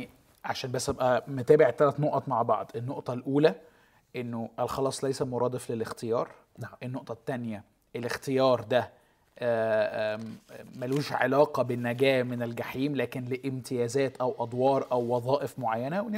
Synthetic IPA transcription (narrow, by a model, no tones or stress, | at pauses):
ʕaʃæːnbæsːʔæbʔæmot̪æːbeʕt̪ːælæt̪noʔɑt̪maʕbɑ̰ʕd̪ˤʔenːoʔt̪ˤɑlʔuːlæ | ʔenːoʔælxɑlɑːsˤlæjsæmoɾˤɑːd̪ˤeflelext̪ejɑːɾˤ | ʔenːoʔt̪ˤɑt̪ːænjæ | ʔelext̪ejɑːɾˤd̪æ | mæluːʃʕelɑːqɑbenːæɡæːmenelɡaħiːmlæːkenleʔemt̪ʰejæːzæːt̪ʔæwʔɑd̪ˤwɑːɾˤʔæwːɑðˤɑːʔefmoʕajːænæwe